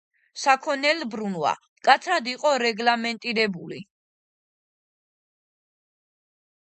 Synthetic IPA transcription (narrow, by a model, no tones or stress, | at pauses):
sakʰɔnɛlbɾunwa̰ | kʼat̪sʰad̪iqʼɔɾɛɡlamɛnt̪ʼiɾɛbuli